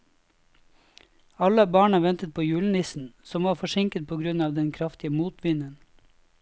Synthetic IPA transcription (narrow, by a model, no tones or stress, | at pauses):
ɑləɑbɑːɳɑʋɛnt̪ət̪̚pʰoːjʉːlnɪsn̩sɔmʋɑːɾfɔʃɪŋkət̪̚pʰoːɡɾʉnɑːʋd̪ɛnkʰɾɑft̪ɪəmuːt̪ʋɪnən